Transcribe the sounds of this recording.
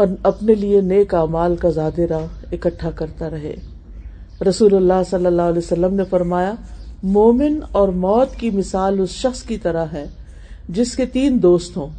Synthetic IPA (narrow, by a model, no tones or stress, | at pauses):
ɔːɾɐpnelieneːkaːmaːlkazaːd̪eɾaɪkəʈʰːakɐɾt̪aɾɐɦḛː | ɾɐsuːlʊlːasɐlːəlːaːɦlesɐlːəmnefɐɾmaːjamɔːmɪnɔːɾmɔːt̪kimɪsaːlʊsʃɐxskit̪ɐɾaɦɛː | d͡ʒɪsket̪iːnd̪oːst̪ɦõː